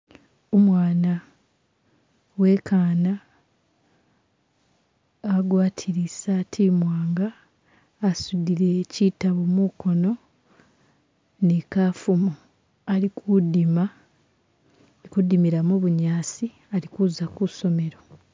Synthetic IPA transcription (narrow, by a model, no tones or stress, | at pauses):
omwaːna | we̞kʰaːna | ɡwaːtʰiɾisatʰimwaːŋɡaː | sudiɾe̞citaβomuko̞no̞ | nekaːfumo | alikʰudima | kudimiɾamuβuɲaːsi | alikuzakuso̞me̞ɾo̞